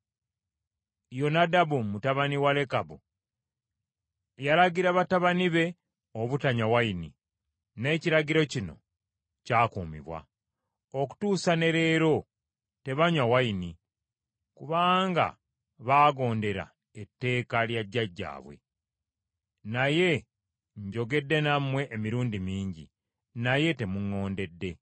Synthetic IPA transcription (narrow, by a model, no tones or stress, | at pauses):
jo̞nadabumutaβaniwale̞kabu | jalaɡiɾaβataβaniβe̞ | oβutaɲawainḭ | ne̞ːciɾaɡiɾo̞cino̞̰ | caːkumḭβwa̰ | oku̥tuːsane̞ɾe̞ːɾo̞ | te̞βaɲwawaini | kuβaːŋɡa̰ | βaːɡo̞ːnde̞ɾa̰ | etːe̞ːkaljaɟːaɟːa̰ːβwe̞̰ | naje̞ | ɲɟo̞ɡe̞dːe̞namwe̞ʔemiɾuːndimiːɲɟḭ | naje̞te̞muŋːo̞ːnde̞dːe̞